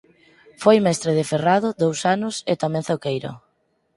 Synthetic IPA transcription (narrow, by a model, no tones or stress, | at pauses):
fojmɛst̪ɾeð̞ɪferaðʊðowsanʊset̪amɛ̃ŋθokejɾo̰